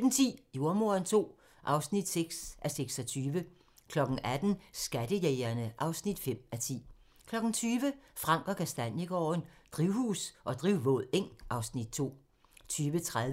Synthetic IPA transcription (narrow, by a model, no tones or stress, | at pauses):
d̥n̩t͡sʰḭːjoɐmo̝ɐnt͡sʰo̝̰ː | ʔɑ̈ʊsnid̥seɡ̥sʔæseɡ̥sɒ̽t͡sʰyːʋə | kʰlɒ̽ɡ̥ŋ̩ʔæd̥n̩sɡ̥æd̥əjeɪɐnəʔɑ̈ʊsnid̥fem̰æt͡sʰḭː | kʰlɒ̽ɡ̥n̩t͡sʰyːʋəfʁɑ̈ŋ̰ɡ̥ɒ̽kʰæsd̥ænjiɡ̥ɒ̰ːnd̥ʁiʊhṵːsʔɒ̽d̥ʁiʊʋɔ̰ð̰ˠeŋ̰ʔɑ̈ʊsnid̥̚t͡sʰo̝̰ː | t͡sʰyːʋət͡sʰʁaðˠ